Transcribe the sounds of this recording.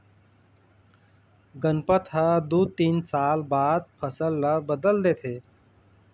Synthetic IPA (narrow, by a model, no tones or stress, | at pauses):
ɡənpət̪ɦəd̪uːt̪iːnsaːlbaːd̪̚pʰəsəlːabəd̪əld̪eːt̪ʰeː